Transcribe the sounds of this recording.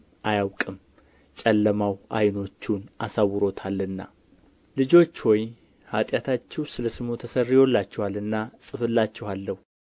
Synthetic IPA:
ʔajawkʼɨm | t͡ʃʼəlːəmawʔa̰jno̞t͡ʃːunʔasawːɨɾo̞t̪ʰalːɨnːa̰ | lɨd͡ʒo̞t͡ʃːwɔj | hat̪ʼjat̪ʰat͡ʃːɛwsɨləsɨmot̪ʰəsərːjolːat͡ʃːɛhalɨnːasʼɨfɨlːat͡ʃːɛhalːəhu

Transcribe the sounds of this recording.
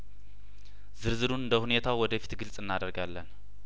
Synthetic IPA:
z̥ɨɾzɨɾunɨnd̪əhune̞t̪ʰawwɔd̪əfi̥t̪ɡɨlt͡sʼɨnːad̪əɾɡalːən

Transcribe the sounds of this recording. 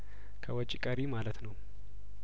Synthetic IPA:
kʰəwɔt͡ʃʼːikʼəɾimalət̪nəw

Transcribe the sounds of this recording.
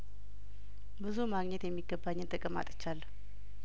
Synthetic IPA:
bɨzumaɡɲɛt̪jɛmːiɡəbaɲːɪnt̪ʰʼəkʼəma̰t̪ʼɨ̥t͡ʃːalː

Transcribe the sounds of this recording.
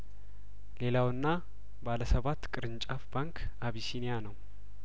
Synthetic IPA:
le̞lawɨnːa | baləsəβat̪ːkʼɨɾɨnt͡ʃʼafbaŋkʰaβisinijanəw

